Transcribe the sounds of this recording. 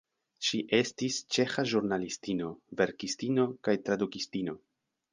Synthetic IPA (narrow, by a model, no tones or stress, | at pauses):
ʃiʔe̞stist͡ʃe̞xaʒuɾnalistino̞ve̞ɾkistino̞kajtɾadukistino̞